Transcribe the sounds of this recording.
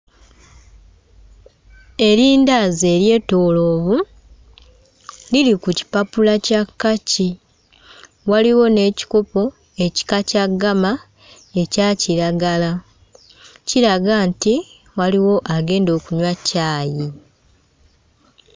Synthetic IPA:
e̞ɾiːndaze̞ɾje̞ːto̞ːlo̞ːβu | lilikuci̥papulacakːaci | waliwo̞ne̞ːci̥ko̞po̞ | e̞ci̥kacaɡama | e̞caːciɾaɡala | ciɾaɡaːnti | waliwo̞ʔaɡe̞ːndo̞ːkuɲwacaːji

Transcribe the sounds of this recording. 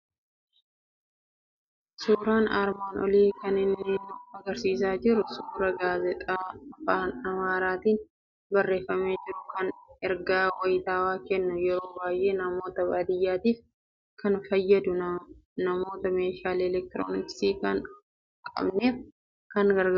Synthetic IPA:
suːɾaːnaɾmaːnɔ̰liːkɐnɪnːeːnʊɐɡɐɾsiːs̬aːd͡ʒɪɾʊsuːɾɐɡaːzɛt̪ʼaːfaːnɐmaːɾaːt̪iːn | bɐrːe̞ːfːɐmeːd͡ʒɪɾʊkɐnɛɾɡaːwɐjɪt̪aːwaːkɛnːʊjɛɾo̞ːbaːjʔe̞ːnɐmo̞ːt̪ɐbɐd̪ɪjːaːt̪iːf | kɐnfɐjːɐd̪ʊnɐmo̞ːt̪ɐme̞ːʃaːlɛlɛk̚t̪ɪɾo̰ːnɪksiːkɐn | kʼɐ̰bneːf | kɐnɡɐɾɡ

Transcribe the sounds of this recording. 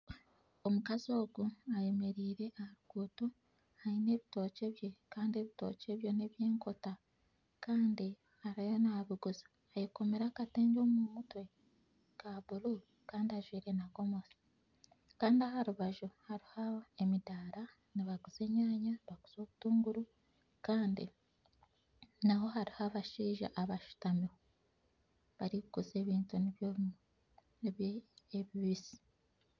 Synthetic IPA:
omukazo̞ːɡuaje̞me̞ɾiːɾe̞ʔahaɾuɡ̥uːtu | haine̞ːβito̞ːce̞βjekaːndie̞βito̞̰ːce̞βjo̞ne̞βje̞ːŋko̞ta | kaːndi | haɾajonaβiɡuzi̥ | ajeko̞meɾakate̞ːɲɟo̞ːmumutwe̞ | kaβulu | kaːndiaʒwiːɾe̞naɡo̞mosi̥ | kaːndiahaɾuβaʒuhaɾihaemidaːɾa | niβaɡuze̞ːɲaːɲaβaɡu̥z̥o̞ːβutuːŋɡuɾu | kaːndḭ | naho̞haɾihaβaʃiːʒa̰ʔaβaʃu̥tamiwo | βaɾikukuze̞ːβiːntuniβj | βeβiβizi̥

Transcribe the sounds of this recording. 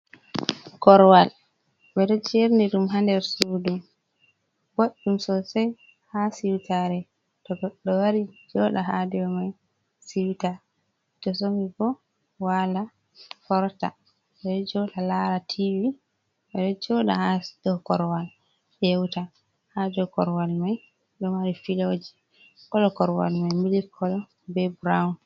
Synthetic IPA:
kɔɾwal | ɓɛɗɔd͡ʒeɾniɗumɦandɛɾsudum | b̥oɗːumsɔsɛj | hasiwtʰaɾɛ | tɔɡɔɗːɔwaɾid͡ʒɔɗaɦadɛɔmaj | siwta | tɔs̬omiɡɔ | wala | fɔɾta̰ | ɓɛɗɔd͡ʒɔɗalaɾatʰivi | ɓɛɗɔd͡ʒɔɗa̰hadɔkɔɾwal | ɗɛwta | hadɔkɔɾwalmaj | ɗɔwaɾifilod͡ʒi̥ | kɔlɔkɔɾwa̰lmajmilikʰːɔlɔ | bɛbɾawn

